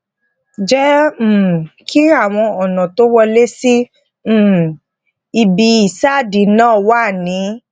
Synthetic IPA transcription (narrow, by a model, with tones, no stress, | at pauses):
d͡ʒɛ˦˨ | kʰi˦a˦˨w̃ɔ̃˧ɔ˨nã˨to˦wɔ˧le˦si˦˨ | i˧bi˧i˨sa˦˨di˨˦nãː˦˨wa˦˨nĩ˨˦